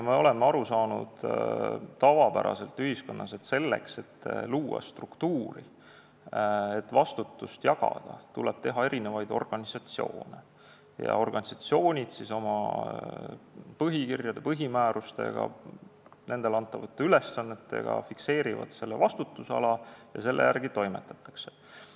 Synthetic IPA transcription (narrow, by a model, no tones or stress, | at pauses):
jɑmeo̞le̞mːeɑɾusɑːnṵd̪̥ | t̪ːɑvɑpæ̰ɾɑ̰se̞lt̪ːˑyɦisko̞nːɑset̪se̞lːe̞̰kse̞t̪ːluːɑ̰st̪rukt̪uːɾḭ | et̪ːvɑst̪ut̪ːust̪jɑɡɑ̰d̪̥ɑt̪uleb̥̚t̪eɦɑe̞ɾine̞vɑjd̪o̞rɡ̥ɑnʲisɑt̪sio̞̰ːnḛ | jɑ̰o̞rɡ̥ɑnʲisɑt̪sio̞ːnʲid̪̥siso̞mɑ | pɤɦikirjɑd̪̥e̞pɤɦimæːɾust̪e̞̰ɡ̥ɑ̰ | ne̞nd̪̥e̞lɑnt̪ːˑɑvɑt̪ːˑeyle̞sːɑnːe̞t̪ːˑe̞̰ɡ̥ɑ̰fikse̞ːɾivɑ̰d̪̥se̞lːevɑst̪ut̪ːˑuseɑ̰lɑjɑse̞lːḛjærɡ̥it̪o̞jmet̪ːˑɑ̥t̪ːˑɑ̥kse